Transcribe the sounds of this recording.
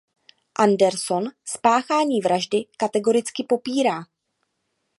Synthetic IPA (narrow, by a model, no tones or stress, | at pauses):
ʔandɛɾso̞nspaːxaːɲiːvɾaʒdɪkat̪ɛɡo̞ɾɪt͡skɪpo̞piːɾaː